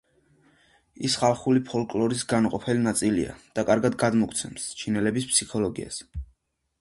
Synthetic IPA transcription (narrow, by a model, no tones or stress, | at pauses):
ḭsχalˠχulipʰɔlˠkʼlˠɔɾisɡanqʼɔpʰɛlinat̪sʼilḭa̰d̪̥akʼaɾɡad̪ɡad̪mɔkʰt̪sʰɛmst͡ʃʰinɛlɛbispʰsikʰɔlˠɔɡia̰s